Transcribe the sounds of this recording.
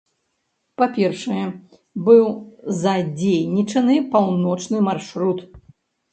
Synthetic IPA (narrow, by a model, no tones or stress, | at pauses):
papʲɛrʂɐjɛ | bɨwzad͡zʲejnʲit͡ʂɐnɨpawnɔt͡ʂnɨmarʂɾut̪